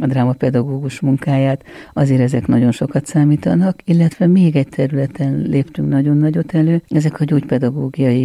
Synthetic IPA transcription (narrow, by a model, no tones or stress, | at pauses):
ɒd̪raːmɒpɛd̪ɒɡoːɡuʃmuŋkaːjaːt̪ɒzeːɾɛzɛknɒɟo̞nʃo̞kɒt̪saːmiːt̪ɒnɒkilːɛt̪ʋɛmeːɡɛc̚t̪ʰɛɾylɛt̪ɛnleːpt̪yŋknɒɟo̞nːɒɟo̞t̪ɛløːɛzɛkɒɟoːcpɛd̪ɒɡoːɡijɒji